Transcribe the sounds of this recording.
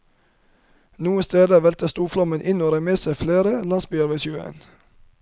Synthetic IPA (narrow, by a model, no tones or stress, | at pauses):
nuːəst̪eːd̪əʋɛlt̪əst̪uːflɔmənʔɪnoːɾəmeːsæfleːɾəlɑnsbyːəɾʋeːsʉːḛːn